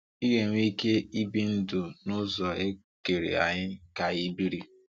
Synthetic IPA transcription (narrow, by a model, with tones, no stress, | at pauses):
i˦ɦe˨ŋʷ˦i˦ke˦i˦bi˦n̩˦dʊ˨nʊ˦zɔ˨e˦ | ke˨ɾḭ˨a̰˨ɲɪ˦ka˨ɣi˦bi˦ɾi˦